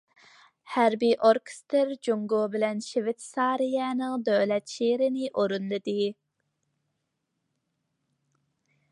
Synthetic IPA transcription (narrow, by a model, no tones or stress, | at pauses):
hæɾbiʔoɾkʰe̥st̪ɨɾd͡ʒoŋɡobɪlɛnʃevɪt̪sɑːɾijɛnɨŋd̪øwlɛt̪ʃeɾɪnɪʔoɾunlˠɨd̪ɨ